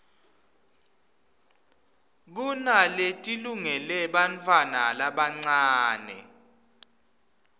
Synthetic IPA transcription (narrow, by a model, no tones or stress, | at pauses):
k̬unaletʼiluŋɛlɛɓant͡fʰʼwana̰laɓaŋ͡ǀaːnɛ̰